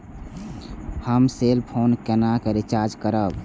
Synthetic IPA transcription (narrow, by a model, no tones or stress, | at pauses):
həmselpʰoːnkenakeɾit͡ʃaɾd͡ʒkəɾəb